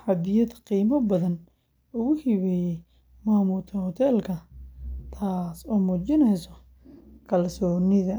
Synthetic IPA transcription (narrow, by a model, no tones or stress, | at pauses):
ħɑbɪjɐdqiːmɐbɐðɐn | ʊɣʊhiβɛjɛj | maːmuːt̪ʰɐhɔt̪ʰɛːlkʰɐt̪ʰaːsɔːmuːt͡ʃɪnɛjsɔ | kʰɐlsɔːnɪðɐ